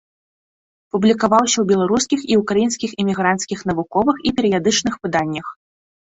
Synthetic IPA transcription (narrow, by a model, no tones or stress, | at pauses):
publʲikavawsʲɐwbʲɛlˠaɾuskʲixiukɾajinskʲiximʲiɣɾant̪skʲixn̪ɐvukɔvɨxipʲɛɾɨjad̪ɨt͡ʂnɨxvɨd̪anʲːɐx